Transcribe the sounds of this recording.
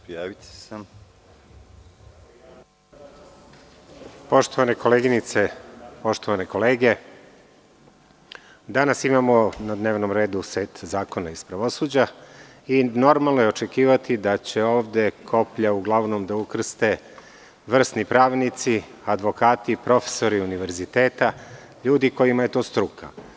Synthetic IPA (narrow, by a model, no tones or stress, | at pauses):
pjaʋit̪ | po̞ʃt̪o̞ʋaneko̞leːɡinit̪se̞po̞ʃt̪oʋaneko̞leːɡe̞ | d̪anasimamo̞nad̪ne̞ːʋnomɾe̞ːd̪useːt̪zaːko̞naispɾaʋo̞suːd͡ʑa | ino̞ɾmalˠnojeot͡ʃe̞kiːʋat̪id̪at͡ɕe̞o̞ːʋd̪e̞kʰo̞pʎauɡlˠaʋno̞md̪aukr̩st̪e̞ | ʋr̩st̪nipɾaːʋnit̪si | ad̪ʋo̞kaːt̪ipɾo̞fe̥so̞ɾiuniʋe̞ɾzit̪e̞ːt̪a | ʎuːd̪iko̞jimaje̞t̪oːst̪ɾukʰa